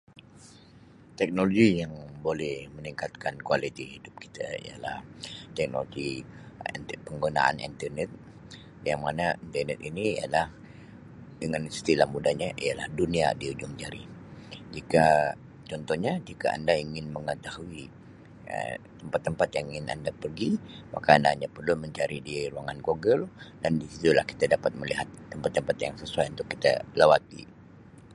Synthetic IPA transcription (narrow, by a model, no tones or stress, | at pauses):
t̪ɛk̚noloɡijaŋbolɛhməniŋkat̪̚kankualit̪ihidʊp̚ki̥t̪ʰa̰ḭja̰la̰ht̪ɛk̚no̰loɡḭ | npəŋɡuna̰ʔa̰nḭnt̪ərnɛt̪̚ | jaŋmanaint̪ərnɛt̪iniia̰lah | dəŋansə̥t̪ilahmudaɲaʔiala̰hdunia̰diud͡ʒuŋd͡ʒaɾid͡ʒika | t͡ʃɔnt̪ɔhɲad͡ʒikaa̰ndaiŋɪnməŋət̪aɦui | ə̰t̪əmpat̪ːəmpat̪̚jaŋɪna̰ndapərɡima̰kaːndaːndapərlʊnməɲt͡ʃaɾidiɾuaŋanɡoɡəldandisit̪ulahki̥t̪adapat̪̚məliɦat̪ːəmpat̪ːəmpat̪jaŋsəsuajunt̪ʊkːi̥t̪a̰lawat̪ḭ